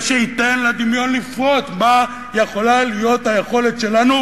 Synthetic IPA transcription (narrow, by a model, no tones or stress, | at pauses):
ʃeit̪e̞nlad̪imjo̞nlifʁotma | je̞χo̞lalijo̞t̪haje̞χo̞let̪ʃe̞lanu